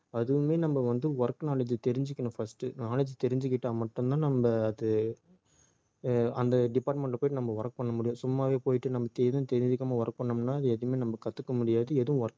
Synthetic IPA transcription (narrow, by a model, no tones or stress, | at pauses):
ɐðɯʋɯmeːnɐmbɐʋɐnd̪ɯʋɐɾkːnaːɭɐd͡ʒɯt̪ɛɾɪɲd͡ʒɪkːɐɳʊ̃fɐsʈɯnaːlɐd͡ʒɯt̪ɛɾɪɲd͡ʒɯkːɪʈːaːmɐʈːɯmt̪ãːnɐmbɐːðɯ | ɐnd̪ɐɖɪpaːɾʈmɛɳʈlɐpoːjʈːɯnɐmbɐʋɐɾɐk̚ːpɐɳːɐmʊɽɪjʊ̃sʊmːaːʋeːpoːjɪʈːɯnɐmːbɐt̪ɛðʊ̃t̪ɛɾɪɲd͡ʒɯkːɐmaːʋɐɾɐk̚pɐɳːɐmnːaːɐðɯɛðɯɯmeːnɐmbɐkɐt̪ːɯkːɐmʊɽɪjaːðɯɛðɯʋʊ̃ʋɐɾk